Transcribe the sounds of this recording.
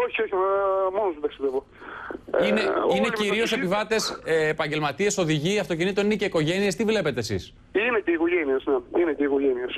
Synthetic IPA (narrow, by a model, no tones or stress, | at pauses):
oçioçimonosmuðɐkst̪evo | ineineciɾio̞se̞pivɐt̪e̞sːpɐɲɟe̞lmɐt̪ie̞so̞ðiʝiɐft̪o̞cinit̪onineceiko̞ʝe̞nie̞st̪ivle̞pe̞t̪esḭs | ineceiko̞ʝeniesneineceiko̞ʝenies